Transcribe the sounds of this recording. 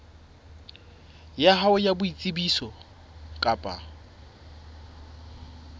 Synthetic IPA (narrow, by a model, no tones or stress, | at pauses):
jaɦaʊjabʊit͡sʼɪbisɔ | kʼapʼa̰